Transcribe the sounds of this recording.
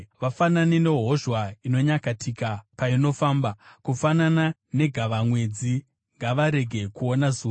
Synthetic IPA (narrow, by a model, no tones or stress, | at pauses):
ʋafananine̞ɦo̞ʒwaino̞ɲakatʰikapaino̞faːmbakufananane̞ɡʱaʋamwe̞d͡zi | ŋɡaʋaɾe̞ɡʱe̞kuonazuː